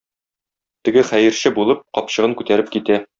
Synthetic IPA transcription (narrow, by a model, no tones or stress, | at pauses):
t̪ɘ̆ɡɘχæjɘ̆ɾɕɘbulˠɤp̚qɒpɕɤ̆ʁɤŋkʉt̪æɾɘp̚kit̪æ